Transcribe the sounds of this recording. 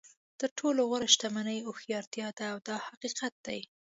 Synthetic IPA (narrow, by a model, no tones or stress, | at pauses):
t̪əɾʈʰoloɣaɾaʃt̪amanəjoxjɑɾt̪jɑd̪aːwd̪ɑhaqiqat̪̚d̪aj